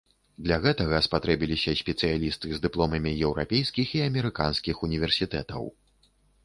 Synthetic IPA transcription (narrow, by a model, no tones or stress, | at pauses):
d̪lʲɐɣɛt̪ɐɣɐspat̪ɾɛbʲilʲisʲɐsʲpʲɛt̪sɨjalʲist̪ɨzd̪ɨplˠɔmɐmʲijɛwɾa̰pʲejskʲixiɐmʲɛɾɨka̰nskʲixunʲivʲɛrsʲit̪ɛt̪ɐ̰w